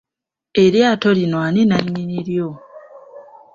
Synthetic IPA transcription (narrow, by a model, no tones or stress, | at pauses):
e̞ɾjaːtolinwaninaɲːiniɾjo